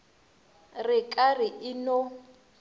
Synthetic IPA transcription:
rɪkʼarɪʔɪno

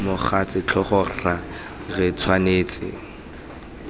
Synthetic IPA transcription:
mʊχat͡sʼɪt͡ɬʰɔχɔra | rɪt͡sʰwaneːt͡sʼɪ̰

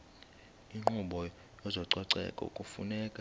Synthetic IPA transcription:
iŋ͡ǃʱuɓɔ | jɔzɔǀɔǀɛ̰kʼɔ̰ṵkʼufṵnɛːkʼa

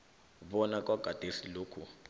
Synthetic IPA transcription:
βɔnak̬ʼwaɡ̥ʱad̥ʱesiloːkʰu

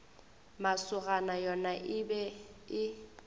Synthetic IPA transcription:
masʊɣanajɔnaʔɪbɛɪ

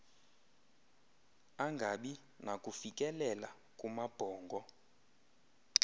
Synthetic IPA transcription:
aŋɡʱaɓi | nakʼufikʼɛlɛla | kʼumab̥ʱɔːŋɡʱɔ

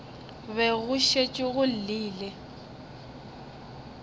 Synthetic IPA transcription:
βɛɣʊʃet͡ʃʼɪɣʊl̩liːlɛ

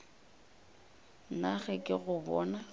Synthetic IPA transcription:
naɣɛkʼɪɣʊbɔːna

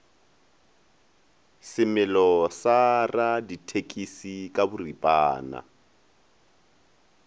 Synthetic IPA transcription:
sɪmɪlɔsaraditʰekʼisikʼabʊripʼaːna̰

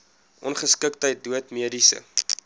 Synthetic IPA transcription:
ʔɔnχəskək̚təjt̚duətmiədisə̰

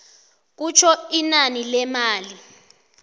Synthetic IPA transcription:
k̬ut͡ʃʰɔinanilɛmaːli

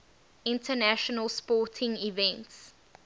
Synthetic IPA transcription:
ɪ̃ntʰənæʃɔnəlspɔːˑtʰɪ̃ŋivɛ̃nts

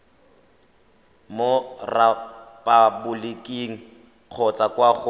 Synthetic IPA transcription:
morapʼabʊlekʼiŋ̩ | q͡χʰɔt͡sʼakʼwaχʊ

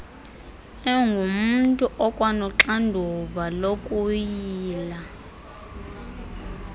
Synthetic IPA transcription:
ɛŋɡʱumuntʼuʔɔkʼwanɔǁandʱuvalokʼujiiːla

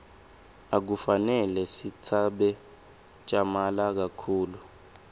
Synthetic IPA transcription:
ak̬ufanɛlɛsitʰaɓɛ | t͡ʃʼamalak̬akʰuːlu

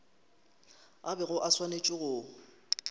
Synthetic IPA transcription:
abɛɣʊʔaswanet͡ʃʼɪɣʊː

